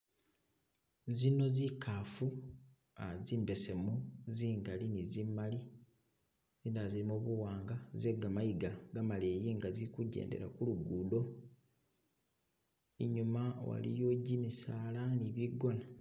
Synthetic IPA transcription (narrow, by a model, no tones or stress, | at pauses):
zino̞zikʰaːfu | aziːmbe̞se̞muziːŋɡalinizimːali | zindazilimuβuwaːŋɡazeɡamajiɡaɡamaleːjiːŋɡazikuɟe̞̰ːnde̞̰ɾa̰kuluɡuːdo̞ | iɲumawa̰lḭjoːɟimisaːlaniβiɡo̞na